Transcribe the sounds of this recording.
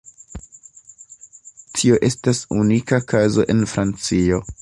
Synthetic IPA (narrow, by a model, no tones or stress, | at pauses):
tʰio̞ʔe̞stasunikakazo̞ʔe̞nfɾant͡sio̞